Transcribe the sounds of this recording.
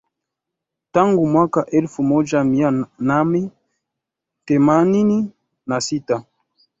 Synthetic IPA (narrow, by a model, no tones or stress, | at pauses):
taŋɡumwakaʔɛlfumɔd͡ʒamianamɛ | tɛmanini | nasita